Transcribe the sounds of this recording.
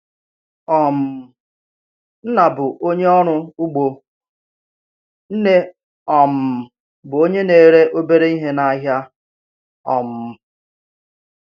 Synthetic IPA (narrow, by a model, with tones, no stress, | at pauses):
ɔ˨m̩˨ | n̩˦na˨bʊ˨ʔo˦ɲe˦ɔ˦ɾʊ˦ʊ˦ɡ͡bo˨ | n̩˦ne˦ | ɔ˨m̩˨ | bʊ˨o˦ɲe˦ne˨ɾe˦ʔo˦be˦ɾe˦i˦ɦe˦na˨˦ɦja˦ | ɔ̰˨m̩˨